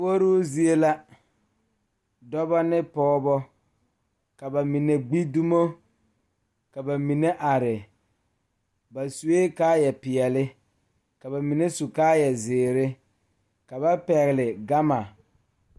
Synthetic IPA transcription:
wo˦ɾo˦zi˦e˦la˦ | dɔ˦bɔ˦nɪ˦pɔː˦bɔ˦ | ka˨ba˨mi˨ne˨ɡ͡bi˦du˦mo˦ | ka˨ba˨mi˨ne˦ʔa˨ɾɪ˨ | ba˨su˨e˦kaː˦jɛ˨pɪ˨ɛ˨lɪ˦ | ka˨βa˨mi˨ne˦su˨kaː˦jɛ˨zɪː˨ɾɪ˦ | ka˨βa˦pɛ˨ɣɪ˨lɪ˨ɡa˦ma˨

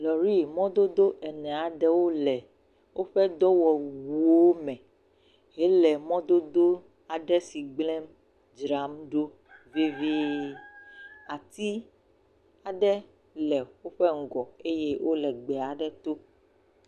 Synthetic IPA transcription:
lɔ˨ɾi˦mɔ̃˦d̪o˦d̪o˦ʔɛ˨nɛ̃˨a˨ɖɛ˦wo˦lɛ˨ | wʔo˦ɸɛ˦d̪ɔ˦wɔ˨wu˨o˦mɛ̃˨ | ɦɛ˦lɛ˨mɔ̃˦d̪o˦d̪o˦ | a˨ɖɛ˦si˨ɡ͡blɛ˦m | d͡ʒɾa˨˦mɖo˦ | vi˦vi˦ | a˨t̪i˦ | a˨ɖɛ˦ | lɛ˨wo˦ɸɛ˦ŋ̩˨ɡɔ˨e˦je˦wʔo˦lɛ˨ɡ͡bɛ˨a˨ɖɛ˦t̪o˦

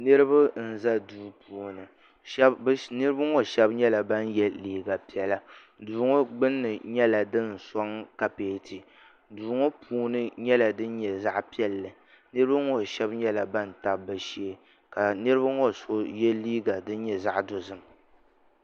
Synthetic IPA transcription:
nɨ˦ɾɨ˦ba˦n̩˨za˦duː˦pʰuː˨nɨ˨˦ | nɨ˦ɾɨ˦ba˦ŋɔ˦ʃɛ˦bɲɛ˦la˨ba˦njɛ˦liː˦ɡa˨pi˨ɛ˨la˨ | duː˨ŋɔ˦ɡ͡bɨ˦nːɨ˨ɲɛ˦la˨dɨ˦n˨sɔ˦ŋka˨peː˨˦ti˨ | duː˨ŋɔ˦pʰuː˦nɨ˦ɲɛ˦la˨dɨ˦n̩˦ɲɛ˨za˦ʔpi˦ɛ˦lːɨ˨ | nɨ˦ɾɨ˦ba˦ŋɔ˨ʃɛ˦bɲɛ˦la˨ba˦nta˨ba˨ʃi˦e˦ | ka˨nɨ˦ɾɨ˦ba˦ŋɔ˦so˦jɛ˦liː˦ɡa˨dɨ˦n˦ɲɛ˨za˦ʔdo˨zɨ˨m

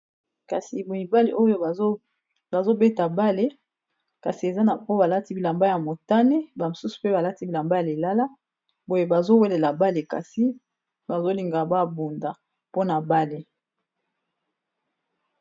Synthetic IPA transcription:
ka˨si˨bu˨i˨ba˦lḛ˨ʔo˦jo˦ | ba˨zo˦be˦ta˨ba˦le˦ | ka˨si˨e˨za˦na˨o˦ba˨la˦ti˦bi˨la˨mba˦ja˨mo˨ta˦ne˦ba˨mo˨su˦su̥˨pe˦ba˨la˦ti˦bi˨la˨mba˦ja˨le˨la˦la˦ | bo˦je˦ba˨zo˦we˦le˨la˨ba˦le˨ka̰˨si˦ | ba˨zo˦li˨ŋɡa˨ba˦bu˨nda˨ | po˦na˨ba˦le˨

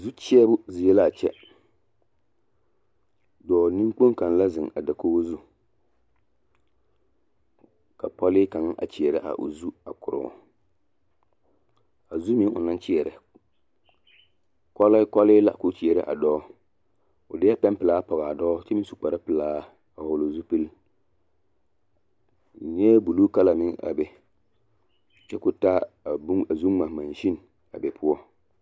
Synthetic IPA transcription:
zu˦t͡ʃi˦ɛ˦bʊ˦zi˨jɛ˦la˦˨t͡ʃɛ˦ | dɔː˨ni˦mk͡po˦ŋka˨n˨la˦zɨ˨ŋa̰˨da˨koː˦zu˦ | ka˨pɔ˦lɪ˦ka˨ŋ˦ʔa̰˨t͡ʃi˨ɛ˨ɾɪ˦ʔa̰˨ʔʊ̰˨zu˦a˨kʊ˨ɾʊ̰˨ | a˨zu˦mi˦ŋʊ̰˨na˦nt͡ʃi˦ɛ˨ɾɨ˨ | kɔ˦lkɔ˦lɪ˦la˦˨kʊ˦t͡ʃi˨ɛ˨ɾɪ̰˦ʔa̰˨dɔː˦ | ʊ˨dɪ˦a˦pɛ˦mpɪ˨laː˦pɔ˨ɣa˨a˨dɔː˦t͡ʃɛ˦mɪ˦su˨k͡pa˨ɾa˦pɪ˨laː˦ | a˨wʊ˨lʊ˨zu˦pi˦l | ɲɛ˦bu˨luː˦ka˦la˨mɪ˦ŋa̰˨bɛ˦˨ | t͡ʃɛ˦kʊ˦taː˦ | a˨bu˦a˨zu˦ŋma˨ma˨nʃi˦n˨ | a˨bɛ˨pʰʊ˦ɔ˦

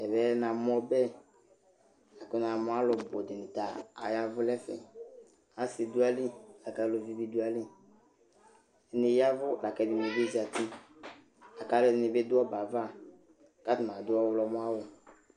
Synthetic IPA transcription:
ɛ˨bɛ˨˦na˨m˦ɔ˦bɛ˦ | a˨kʊ˦n˨a˨mʊ˦a˦lʊ˨bo˨dɪ˨nɪ˨ta˨a˨ja˦vʊ˦lɛ˦fɛ̰˨ | a˨˦se˨du˦a˦li˦la˨ka˦lo˨vi˨˦bi˦du˦a˨li˦˨ | nɪ˨ja˦vʊ˦˨la˨kɛ˨bi˨me˨be˦zi˨a˨ti˦ | a˨ka˦lʊ˦dɪ˨nɪ˨bɪ˦dʊ˦ɔ˦ba˨va˦˨ | ka˦tɪ˨m˨a˨dʊ˦ɔ˦wʊ˦lɔ˦mʊ˦a˦wʊ˨

